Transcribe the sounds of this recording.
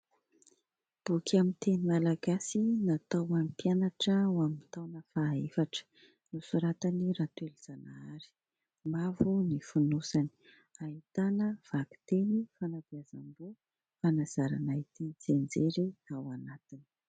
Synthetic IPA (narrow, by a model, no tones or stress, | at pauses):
b̥ukʰʲamit̪enimalaɡasinat̪awampjanaʈ͡ʂəwamint̪awnəfaefaʈ͡ʂə̥ | nusuɾat̪aniɾat̪weliz̥anaaɾi̥ | mavunifunusani̥ | ait̪anəv̥akt̪enifanabiazambo | fanaz̥aɾa̰nait̪ind͡zend͡zeɾiawanat̪ini̥